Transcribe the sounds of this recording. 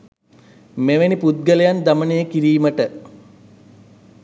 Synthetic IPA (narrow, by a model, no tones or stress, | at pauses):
meʋenipud̪̚ɡəlejand̪amənejəkiɾiːməʈə